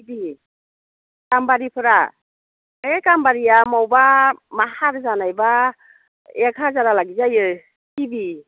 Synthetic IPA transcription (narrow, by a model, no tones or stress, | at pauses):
ibi | kambaɾipʰɯɾa | ekambaɾijamawbamahaɾzanajba | ekʰazaɾalaɡizajɯ | kibi